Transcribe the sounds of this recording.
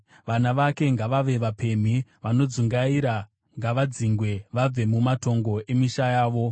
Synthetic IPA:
ʋanaʋake̞ŋɡaʋaʋe̞ʋape̞m̤iʋano̞d͡zuŋɡaiːɾa | ŋɡaʋad͡ziŋɡwe̞ʋab͡ve̞mumato̞ŋɡo̞e̞miʃajaːʋo̞

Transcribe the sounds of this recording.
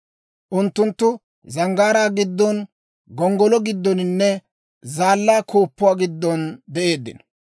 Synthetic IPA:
ʔʊnt̪ːʊnt̪ːʊ | zɐŋɡaːɾaːɡɪd̪ːɔn | ɡɔŋɡɔlɔɡɪd̪ːɔnɪnːɛ | zaːlːaːkʰoːpːʊwaːɡɪd̪ːɔnd̪ɛʔe̞ːd̪ːɪ̰nɔ̥

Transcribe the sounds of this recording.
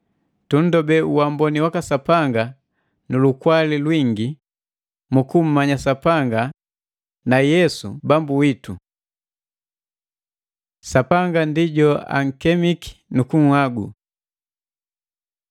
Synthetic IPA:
tun̩dɔbɛuwambɔniwakasapaŋɡa | nulukwalilwiŋɡi | mukum̩ːaɲasapaŋɡa | najɛsṵbambuwitu | sapaŋɡandiɟɔa̰ŋ̩kɛmiki̥nukuŋ̩haɡṵ

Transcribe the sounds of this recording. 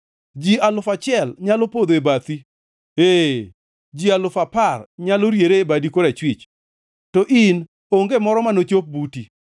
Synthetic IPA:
d͡ʒialʊfat͡ʃɪɛlɲalopod̪oebat̪i | e | d͡ʒialʊfaparɲaloɾjeɾeebadikoɾɛt͡ʃwɪt͡ʃ | tɔʔin | oŋɡemɔɾɔmanot͡ʃop̚buti

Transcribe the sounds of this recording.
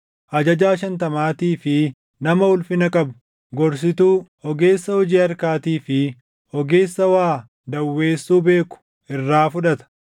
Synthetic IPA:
ʔɐd͡ʒɐd͡ʒaːʃɐnt̪ɐmaːt̪iːfɪ | nɐmɐhʊlfɪnɐkʼɐbʊ | ɡɔɾs̬ɪt̪uːhɔɡe̞ːsːɐhɔd͡ʒiːɐɾkaːt̪iːfɪ | hɔɡe̞ːsːɐwaː | d̪ɐwːe̞ːsːuːbe̞ːkʊ̥ | ɪrːaːfʊᶑɐt̪ɐ̥

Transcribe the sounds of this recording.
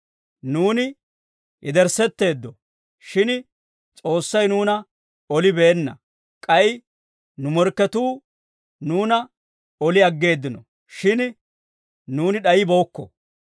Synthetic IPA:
nuːnɪ | ʔɪd̪ɛɾsɛt̪ːe̞ːd̪ːɔ | ʃɪn | t͡sʼo̞ːsːɐjnuːnɐ | ɔlɪbeːnːɐ̰ | kʼɐjɪ | nʊmɔɾkːɛt̪uː | nuːnɐ | ɔlɪɐɡːe̞ːd̪ːɪnɔ̰ | ʃɪn | nuːnɪɗɐjɪboːkːɔ̰

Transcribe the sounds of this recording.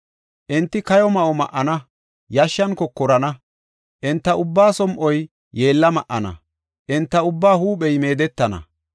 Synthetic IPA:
ʔɪnt̪ːɪkɐjɔmɐʔɔmɐ̰ʔːɐnɐ | jɐʃːɐnkɔkːɔɾɐnɐ | ʔɪnt̪ːɐʔʊbːaːsɔmʔɔj | je̞ːlːɐmɐʔːɐnɐ̰ | ʔɪnt̪ːɐʊbːaːhuːpɛjme̞ːd̪ɛt̪ːɐnɐ̰

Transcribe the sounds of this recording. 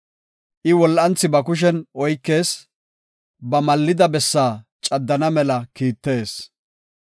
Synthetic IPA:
ʔɪwɔlːɐnt͡sːɪbɐkʊʃ̬ɛnʔɔjkːe̞ːs | bɐmɐlːɪd̪ɐbɛsːaː | t͡ʃʼɐd̪ːɐnɐmɛlɐkiːt̪ːe̞ːs

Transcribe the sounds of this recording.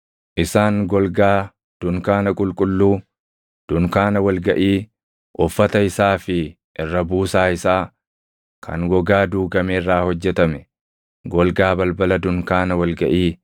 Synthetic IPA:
ʔɪsaːŋɡɔlɡaː | d̪̥ʊŋkaːnɐkʼʊlkʼʊlːuː | d̪̥ʊŋkaːnɐwɐlɡɐʔiː | ʔɔfːɐt̪ɐɪsaːfɪ | ʔɪrːɐbuːsaːɪsaː | kʰɐ̰ŋɡɔɡaːd̪uːɡɐmeːrːaːhɔd͡ʒːɛt̪ɐmɛ | ɡɔlɡaːbɐlbɐlɐd̪ʊŋkaːnɐwɐlɡɐʔiː

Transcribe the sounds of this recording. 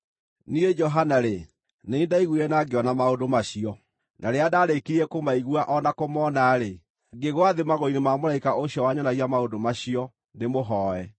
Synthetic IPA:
nied͡ʒɔɦanaɾe | neindaiɣwɛnaɡeɔnamaondomaɕiɔ | nʔaɾeadaːɾekiɾɛkomaiɣwaʔɔnakomɔnaɾe | ɡeɣwaðemaɣoinemamoɾaikaʔoɕjɔwaɲanaɣiamaodomaɕiɔ | nemoɦɔːɛ

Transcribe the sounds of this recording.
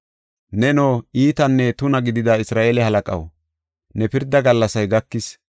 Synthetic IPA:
nɛnoːiːt̪ɐnːɛt̪ʊnɐɡɪd̪ɪd̪aɪsɾaːʔelɛhɐlɐkʼɐ̰w | nɛpɪɾd̪ɐɡɐlːɐsɐjɡɐkːɪs

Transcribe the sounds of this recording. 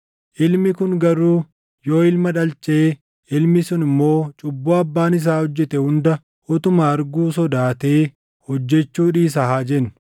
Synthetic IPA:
ʔɪlmɪkʊŋɡɐɾuː | jo̞ːɪlmɐᶑɐlt͡ʃʼeː | ʔɪlmɪsʊnɪmːo̞ːt͡ʃʼʊbːuɐbːaːnɪs̬aːhɔd͡ʒːɛt̪ɛhʊnd̪ɐ | hɔt̪ʊmɐɐɾɡuːsɔd̪aːt̪e̞ː | hɔd͡ʒːɛt͡ʃːuːᶑiːs̬ɐɦaːd͡ʒɛn

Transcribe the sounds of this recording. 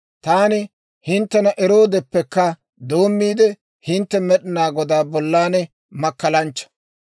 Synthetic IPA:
t̪aːnɪ | hɪnt̪ːɛnɐʔɛɾo̞ːd̪ɛpːɛkːɐ | d̪o̞ːmːiːd̪ɛ | hɪnt̪ːɛmɛɗɪnaːɡɔd̪aːbɔlːaːnɛ | mɐkːɐlɐnt͡ʃːɐ̥

